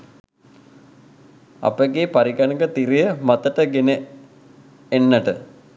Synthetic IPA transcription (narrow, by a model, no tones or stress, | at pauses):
a̰pəɡeːpaɾiɡanəɡət̪iɾijəmat̪əʈəɡene | enːəʈə